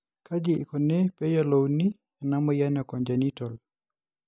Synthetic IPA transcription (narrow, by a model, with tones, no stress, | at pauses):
ka˦d͡ʒɪː˨kɔ˨ne˦pɛ˦jɔ˨lɔwni | ɛ˨na˦mɔ˦ja˦nɛ˨kɔ˨ɲd͡ʒa˨ni˦tɔ˨l